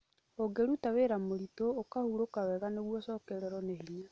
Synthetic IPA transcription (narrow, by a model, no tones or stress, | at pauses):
oɡeɾutaweɾamoɾitoːkahuɾokawɛɣaneɣwɔsɔːkɛɾɛɾɔnehiɲa